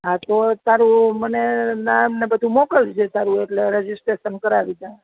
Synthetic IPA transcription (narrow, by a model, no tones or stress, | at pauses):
ɦãt̪ot̪aɾũmənenamnebəd̪ʱũmokəlt͡ʃʰet̪aɾũeʈleɾed͡ʒisʈɾeʃənkəɾaʋid͡ʒa